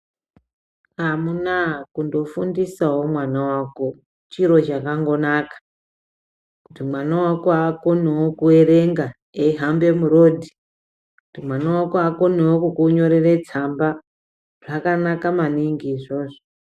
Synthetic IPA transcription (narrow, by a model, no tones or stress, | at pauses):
ɦamunakundo̞fundisawo̞mwanawako̞ | t͡ʃiɾo̞t͡ʃakaŋɡo̞nakḁ | kutimwanawakoako̞newokue̞ɾe̞ŋɡa | eiɦambe̞muɾo̞dʱi | kkutimwanawakoako̞newokukuɲo̞ɾere̞t͡samba | ʐ̥akanakamaniŋɡiːʐo̞ːʐo